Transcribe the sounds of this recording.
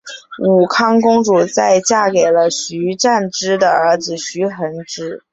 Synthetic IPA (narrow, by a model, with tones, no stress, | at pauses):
u˨˩kʰɑ˥ŋkʊ˥ŋʈ͡ʂu˨˩t͡sa˥˧ɪt͡ɕja˥˩ke˨˩ɪlə˦ɕy˧˥ʈ͡ʂa˥˩nʈ͡ʂɻ̩˥d̪ə˨ə˞˧˥d͡zɹ̩˧ɕy˧˥xə˧˥nʈ͡ʂɻ̩˥